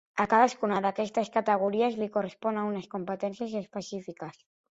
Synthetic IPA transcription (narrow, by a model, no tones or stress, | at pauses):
akaðaskunaðakɛst̪əskat̪əɣ̞uɾiazlikorespɔnaunəskumpət̪ɛnsjəzespəsifikas